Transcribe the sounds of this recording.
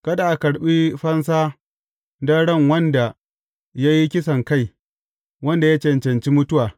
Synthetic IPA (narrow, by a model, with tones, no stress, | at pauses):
kɐ˦da˨ʔa˨kɐ˨ɽɓi˦ɸɐ˦nsaː˦ | dɐ˦ɽɐ˦˨ŋwɐ˦nda˨ | ja˦ji˦kʲɪ˦sɐ˨ŋka˦˨j | wɐ˦nda˨ja˦t͡ʃɛ˨nt͡ʃɐ˨nt͡ʃi˦mʊ˦tʊ˦waː˨